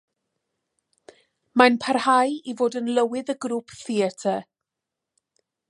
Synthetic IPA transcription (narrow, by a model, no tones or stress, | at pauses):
manpʰarhajivoːdənlˠəwɪðəɡɾuːpʰθiɛtʰə